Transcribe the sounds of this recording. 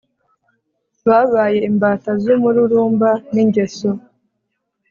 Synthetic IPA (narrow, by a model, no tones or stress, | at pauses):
βaβaːje̞imbaːtazumuɾuɾuːmbaniɲɟe̞so